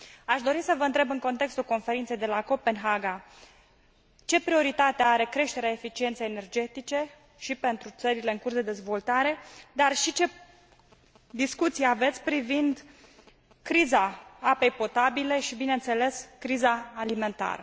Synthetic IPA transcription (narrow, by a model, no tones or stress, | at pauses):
aʃd̪o̞ɾisəvəɨnt̪ɾe̞bɨŋko̞nt̪e̞kst̪ulko̞nfe̞ɾint̪se̞jd̪e̞lako̞pe̞nɦaɡa | t͡ʃe̞pɾio̞ɾit̪at̪eaɾe̞kɾe̞ʃt̪e̞ɾeaefit͡ʃie̞nt̪sejene̞rd͡ʒe̞t̪it͡ʃe̞ | ʃipe̞nt̪ɾut̪səɾile̞ɨŋkursd̪e̞d̪e̞zvo̞lt̪aɾe̞d̪arʃit͡ʃe̞ | d̪iskut̪sieave̞t̪sʲpɾivind̪ | kɾizaape̞jpo̞t̪abile̞ʃibinent̪se̞le̞skɾizaːlime̞nt̪a̰ɾə̰